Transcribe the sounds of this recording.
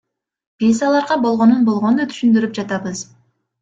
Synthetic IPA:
b̥izɑlˠɑɾʁɑbo̞lˠʁo̞nunbo̞lˠʁo̞nd̪ɑt̪ʰy̥ʃynd̪yɾyp̚d͡ʒɑt̪ɑbɯz

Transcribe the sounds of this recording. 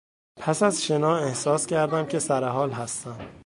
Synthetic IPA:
pʰæsæzʃe̞nɒːehsɒːscʰæɾd̪æmcʲʰe̞sæɾeɦɒːlɦæst̪æm

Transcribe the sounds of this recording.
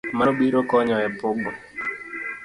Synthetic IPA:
maɓiɾokɔɲɔɛpʊɡ͡bɔ

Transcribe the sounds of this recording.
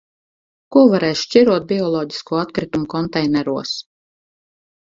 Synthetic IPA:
kuɔvaɾɛːʃʃt͡ʃʲiɾuɔt̪̚bʲiɔlˠɔːɟi̥skuːat̪kɾit̪umukɔnt̪ɛjnɛɾuɔs

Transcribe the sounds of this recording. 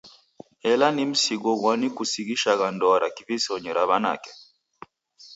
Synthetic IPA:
ɛlanim̩siɡɔɣwanikusiɣiʃaɣandɔɾakivisɔɲɛɾaβana̰kɛ̥

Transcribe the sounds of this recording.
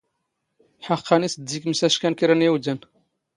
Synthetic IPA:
ħɑqːɑnisd̪ːikmsæʃkænkiɾænjæwd̪æn

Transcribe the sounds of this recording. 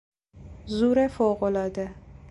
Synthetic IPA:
zuːɾefoːɣolɒːd̪e

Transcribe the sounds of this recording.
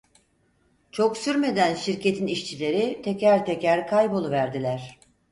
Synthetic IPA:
t͡ʃʰo̞ksyɾme̞d̪ænʃiɾce̞t̪ʰiniʃt͡ʃʰilʲe̞ɾit̪ʰecæɾt̪ʰe̞cæɾkʰajbolˠuvæɾd̪ilʲæɾ̥

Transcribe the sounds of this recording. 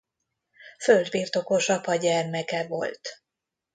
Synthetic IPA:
føld̪biːrt̪o̞ko̞ʃɒpɒɟɛrmɛkɛvo̞̰lt̪

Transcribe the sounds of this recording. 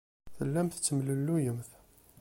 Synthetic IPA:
θəlːæmθt͡sːəmləlːujəmθ

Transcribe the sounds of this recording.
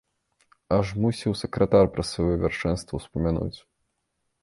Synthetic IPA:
ɐʐmusʲiwsɛkɾɐt̪arpɾɐsvɐjɔvʲarʂɛnst̪vɐwspɐmʲanṵt͡sʲ

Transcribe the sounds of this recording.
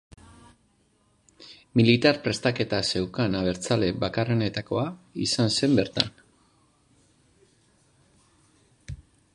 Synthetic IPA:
milit̪aɾpɾe̞st̪ake̞t̪ase̞wkanaβe̞ɾt͡sale̞βakare̞ne̞t̪ako̞aisanse̞mbe̞ɾt̪a̰n

